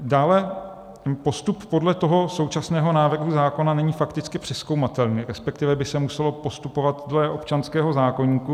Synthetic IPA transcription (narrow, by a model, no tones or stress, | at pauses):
daːlɛ | po̞st̪upːo̞dlɛt̪o̞ɦo̞so̞wt͡ʃasnɛːɦo̞naːvr̩ɦuzaːko̞nanɛɲiːfakt̪ɪt͡skɪpr̥ɪsko̞wmat̪ɛlniːɾɛspɛkt̪ɪvɛbɪsɛmusɛlo̞po̞st̪upo̞vat̪dlɛʔo̞pt͡ʃanskɛːɦo̞zaːko̞ɲiːku